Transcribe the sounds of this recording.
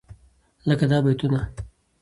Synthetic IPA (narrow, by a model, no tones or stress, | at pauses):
ləkad̪ɑːbajt̪una